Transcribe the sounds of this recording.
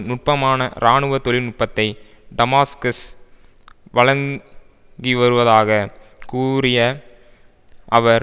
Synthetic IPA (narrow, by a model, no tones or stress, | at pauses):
nʊʈ̚pɐmaːnɐ̰ɾaːɳɯʋɐt̪ɔlɪnʊʈ̚pɐt̪ːɐɪ | ɖɐmaːskɐs | ʋɐɻɐŋ | ɡiʋɐɾɯʋɐðaːɣɐkuːɾɪjɐ | ʔɐʋɐɾ